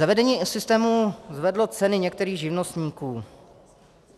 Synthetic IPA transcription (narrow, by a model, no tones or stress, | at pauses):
avɛdɛɲiːsɪst̪ɛːmuzvɛdlo̞t͡sɛnɪɲɛkt̪ɛɾiːɣʒɪvnost̪ɲiːkuː